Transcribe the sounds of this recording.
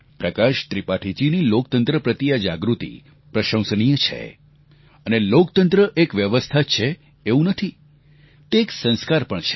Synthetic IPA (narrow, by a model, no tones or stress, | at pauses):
pɾəkaʃt̪ɾipaʈʰit͡ʃinilok̚t̪ənt̪ɾəpɾət̪ijad͡ʒa̰ɡɾut̪ḭ | pɾəʃə̃w̃səñijət͡ʃʰḛ | ənelokt̪ənt̪ɾəʔekʋjəʋəst̪ʰat͡ʃʰe | eũnət̪ʰi | t̪eːksə̃ñskaɾpəɳt͡ʃʰe̥